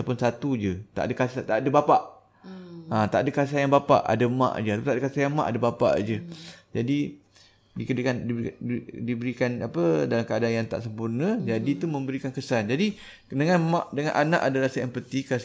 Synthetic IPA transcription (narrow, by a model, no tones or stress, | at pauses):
apʊnsat̪ud͡ʒət̪a̰ʔadəkasat̪aʔdəbapaʔ | at̪aʔadəkas̬ajaŋbapa̰ʔa̰dəmã̰ʔd͡ʒəat̪apunt̪aʔdəkasajaŋmã̰ʔadəbapa̰ʔd͡ʒəd͡ʒadi | dikədkandidibəɾikanapədalamkəadanjaŋt̪a̰ʔsəmpurnəd͡ʒadit̪umə̃mbəɾikankəsand͡ʒadi | dəŋanmãʔdəŋãnʔana̰ʔadaɾasajaŋpət̪ika